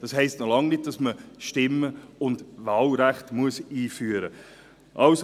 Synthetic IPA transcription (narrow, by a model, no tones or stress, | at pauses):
d̥ɑshɛɪstnɔlɑŋnɪt̚d̥ɑsməʃtɪmːəʊndvɑːlɾæχtmuəsiːfyːɾə | ʔɑws